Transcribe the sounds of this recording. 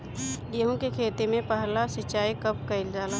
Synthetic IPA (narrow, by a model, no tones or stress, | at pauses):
jeɦõkekʰeːt̪emẽpəɦlasɪt͡ʃaːikɐpkɐɪld͡ʒaːla